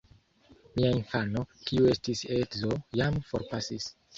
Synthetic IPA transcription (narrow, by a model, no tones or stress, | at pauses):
miainfano̞kiue̞stisekzojamfo̞ɾpasis